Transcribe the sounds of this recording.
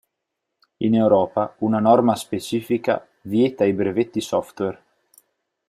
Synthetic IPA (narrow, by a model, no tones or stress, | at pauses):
inewɾɔːpaunanɔrmaspet͡ʃiːfika̰ | vjet̪ajbɾevet̪ːisɔft̪wɛr